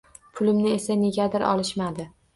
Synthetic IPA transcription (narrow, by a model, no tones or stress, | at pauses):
pʰʊlɪmnɪe̞sane̞ɡʲad̪ɪɾʔɒ̰lɪʃmad̪ɪ